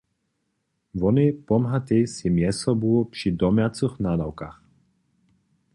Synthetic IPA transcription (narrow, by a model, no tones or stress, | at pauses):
ʋɔnɛpɔmɦat̪ɛsimjɛsɔbuɔpʃid̪ɔmjat͡sɨxnaːd̪awkax